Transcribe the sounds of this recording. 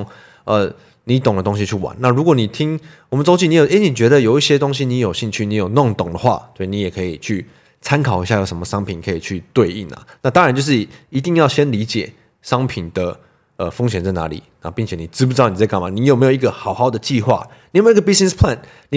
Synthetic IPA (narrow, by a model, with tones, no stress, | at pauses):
ŋ | ə˩ | ni˧˦t̪o˨˩ŋd̪ə˦t̪o˥ŋɕ̬i˧t͡ɕʰy˥˩wa̰˧˦nːa˥˨ɻu˧˥kwɔ˧˦ni˨˩t̪ʰi˦˥ŋwɔ˨˩mə˨nt͡so˥ʊt͡ɕi˥˨ni˧˦jo˨˩ʔe˥ni˨˩t͡ɕɥɛ˧˥d̪ə˨jo˨˩ʊi˥˩ɕjɛ˦˥t̪o˥˦ŋɕ̬i˦ni˧˥jo˨˩ʊɕi˥˧ŋt͡ɕʰy˥˩ni˨˦jo˨˩ʊno˥˩ŋt̪ʊ˨˩ŋd̪ə˩xwa̰˥˧t̪we˥˧˩ni˨˦jɛ˨˩kʰɤ˧˥i˨˩t͡ɕʰy˥˩ | t͡sʰa˦nkʰɑ˨˩ʊi˥ɕja˥˩jo˨˩ʊʂə˧˦nmə˧ʂɑ˥ŋpʰi˨˩nkʰɤ˧˦i˨t͡ɕʰy˥˧t̪we˥˧ɪi˥˩na̰˩na˥˧t̪ɑ˥ŋa˧˦nt͡ɕjo˥˧ʊʂɻ̩i˥˩i˧˥t̪i˥˧ŋjɑ˥˩ʊɕjɛ˦˥nli˧˥t͡ɕjɛ˨˩ | ʂɑ˥ŋpʰi˨˩nd̪ə˩ | ə˨˩fo˥ŋɕjɛ˨˩nt͡sa˥˩na̰˧˦lḭ˨˩˦na˥˩pi˥˩ŋt͡ɕʰɛ˨˩˦ni˨˩ʈ͡ʂɻ̩˥pu˧˥˩ʊni˨˩t͡sa˥˧ka˥˩ma˨˩ni˨˦jo˨˩me˧˥jo˨˩i˧˦ɡə˨xɑ˨˩ʊxɑ˥˩ʊd̪ə˩˨t͡ɕi˥˧xwa̰˥˩ni˧˨˥me˦˥˦ɡə˧bi˦˥snɛ˥˧spʰla˥˨n | ni˨˦